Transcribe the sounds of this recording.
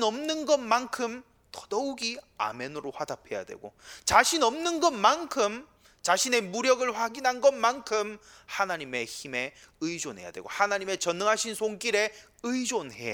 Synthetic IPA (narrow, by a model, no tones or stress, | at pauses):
nʌmnɯnɡʌnmankʰɯm | tʌdʌuɡia̰menɯɾoɸwadapʰe̞ja̰dwe̞̰ɡot͡ɕaɕʰinʌmnɯnɡʌnmankʰɯm | t͡ɕaɕʰine̞muɾjʌɡɯɭɸwaɡinɦanɡʌnmankʰɯm | hanaɲime̞çime̞ | ɯid͡ʑonɦe̞ja̰dwe̞ɡo̰hanaɲime̞t͡ɕʌnːɯŋɦaɕʰinsʰoŋk͈iɾe̞ | ɯid͡ʑonhe̞ja̰